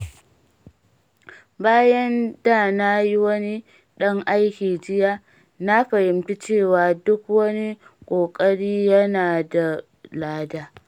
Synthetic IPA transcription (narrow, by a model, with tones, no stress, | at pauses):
baː˦jɐ˦ndaː˦˨na˦ji˦wɐ˦ni˦ | ɗɐ˦ŋʔa˦jkʲiː˨d͡ʒɪ˦jaː˦ | na˦ɸɐ˨jɪ˨mti˦t͡ʃeː˦˨waː˨dʊ˦kwɐ˦ni˦kʷʼoː˨kʼɐ˦ɽiː˦jɐ˦naː˨da˨ | laː˦daː˦